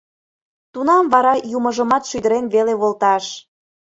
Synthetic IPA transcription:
t̪unɑmβɑɾɑjuməʒəmɑt̪ʃyd̪əɾenβeleβolˠt̪ɑʃ

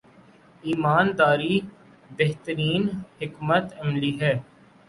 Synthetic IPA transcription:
iːmaːnd̪aːɾi | beɦt̪əɾiːnhɪkmət̪ɛmliɦɛː

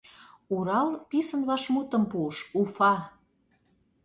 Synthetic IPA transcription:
uɾɑlpisə̆nβɑʃmut̪ə̆mpuʃufɑ

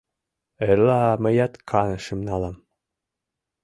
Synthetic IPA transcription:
elɑmɘ̆jɑt̪kʰɑnɤ̆ʃimnɑlɑm

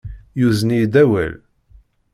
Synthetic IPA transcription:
juznijd̪æwæ̰l

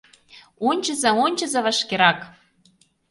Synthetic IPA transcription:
onʲt͡ɕə̆zɑonʲt͡ɕə̆zɑβɑʃkeɾɑk

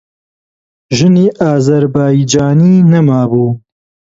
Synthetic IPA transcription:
ʒɨniːʔaːzɐɾbaːjid͡ʒaːniːnɐmaːbuː

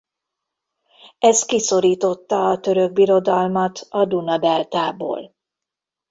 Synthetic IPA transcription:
ɛst̪kiso̞ɾiːt̪o̞t̪ːɒːt̪ø̞ɾøɡ̚biɾo̞d̪ɒlmɒt̪ɒd̪unɒb̪ɛlt̪aːbo̰ːl

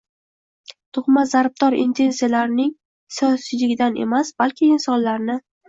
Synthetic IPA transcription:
t̪ʰʊχmazaɾb̚d̪ɒɾɪ̰nt̪ʰe̞nsijalaɾɪnɪŋ | sijɒsɪlɪɡʲɪd̪ane̞̰masbalkʲʰɪːnsɒnlaɾnɪ

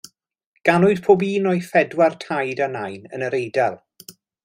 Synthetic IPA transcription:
ɡ̥anʊɨd̥pʰoːbiːnɔjfɛdwartʰajdanajnə̰nəɾejdɛlˠ

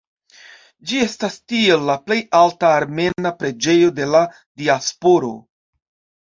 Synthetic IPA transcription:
d͡ʒie̞stastie̞lːaple̞jaltaːɾme̞napɾe̞d͡ʒe̞jo̞de̞la | diaspo̞ɾo̞̰

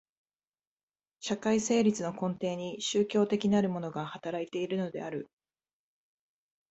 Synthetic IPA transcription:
ɕakaise̞ːɾʲit͡sɨno̞kõ̞nt̪e̞ːɲ̟iɕɨːkʲo̞ːt̪e̞kʲinaɾɯ̟mo̞no̞ɡahat̪aɾait̪e̞iɾɯ̟no̞d̪e̞̰aɾɯ̟

